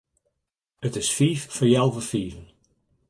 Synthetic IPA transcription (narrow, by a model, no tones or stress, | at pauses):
ətɪsfiːffəɹjɛlˠvəfiːvən